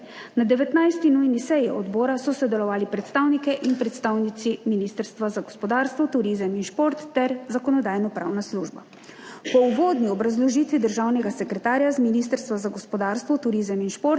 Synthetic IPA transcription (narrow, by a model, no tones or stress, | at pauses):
nad̪ɛʋɛt̪najst̪inujnisɛjiɔd̪bɔːɾasɔsɔd̪ɛlɔʋaːlipɾɛt̪st̪aːwnikɛʔinpɾɛt̪st̪aːwnit̪siminist̪əɾst̪ʋazaɡɔspɔd̪aːɾst̪ʋɔt̪uɾizəminʃpoɾt̪ːɛɾzakɔnɔd̪aːjnɔpɾa̰wnasluʒba | pɔuʋoːd̪niɔbɾazlɔʒiːt̪ʋid̪əɾʒaːwnɛɡasɛkɾɛt̪aːɾjazminist̪əɾst̪ʋazaɡɔspɔd̪aːɾst̪ʋɔt̪uɾizəminʃpoɾt̪